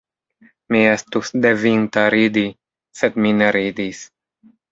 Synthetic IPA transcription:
miɛst̪usd̪evint̪aɾid̪i | set̪mineɾiːd̪is

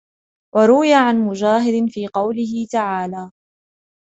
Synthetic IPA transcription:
wʔɑɾˤʊwɪjaʕanmʊd͡ʒaːɦɪd̪ɪnfiːqɑwlɪɦɪt̪aʕaːlaː

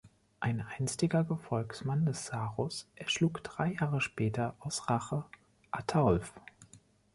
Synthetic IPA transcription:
ʔaɪnʔaɪnstɪɡɐɡəfɔlksmandɛsz̥aːʁʊsʔɛɐʃluːkd̥ʁaɪjaːʁəʃpɛːtʰɐʔaʊsʁaχə | ʔatʰaʊlf

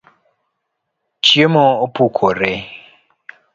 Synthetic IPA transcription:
t͡ʃiemoopukʰoɾe

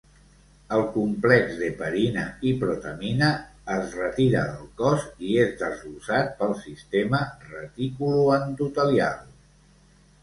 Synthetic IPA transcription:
əlˠkumplɛkzðəpəɾinəipɾut̪əminəːzrət̪iɾə̰ðəlˠkɔziezðəzlusat̪̚pəlˠsist̪emərət̪ikuluənd̪ut̪əlia̰lˠ

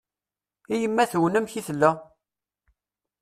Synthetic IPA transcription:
ijəmːæθwənæmçiθlːæ

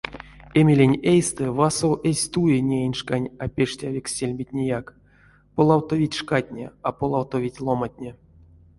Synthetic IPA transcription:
emʲelʲenʲejst̪ɨvasowʔesʲt̪ujenʲejnʲʂkanʲapʲeʂtʲavʲikʲsʲelʲmʲitʲnʲejak | polˠawt̪ovʲitʲʂkatʲnʲḛapolˠawt̪ovʲitʲlˠomatʲnʲe

